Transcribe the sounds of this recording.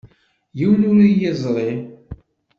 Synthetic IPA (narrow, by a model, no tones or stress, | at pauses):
jiwlʊɾijɪzˤɾˤi